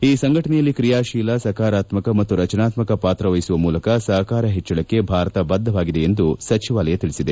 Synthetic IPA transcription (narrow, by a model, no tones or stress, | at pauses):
iːsɐŋɡʱɐʈɐnɛjɐlːikɾijaːʃiːlɐsɐkaːɾaːt̪mɐkɐmɐt̪ːuɾɐt͡ʃɐnaːt̪mɐkɐpaːt̪ɾɐʋɐjisuʋɐmuːlɐkɐsɐɦɐkaːɾɐɦɛt͡ʃːɐɭɐkːe̞bʱaːɾɐt̪ɐbɐd̪ʱːɐʋaːɡid̪eend̪usɐt͡ʃiʋaːlɐjɐt̪iɭisid̪e̞